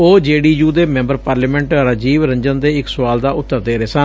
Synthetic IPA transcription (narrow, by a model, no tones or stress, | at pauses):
oːd͡ʒeːɽiːd͡ʒuːd̪eːmɛ̃mbəɾpaːɾlaːmɛ̃ɳʈɾəd͡ʒiːʋɾəɲd͡ʒənd̪eːɪksʊʋaːld̪aːʔʊt̪ːəɾd̪eːɾeːsən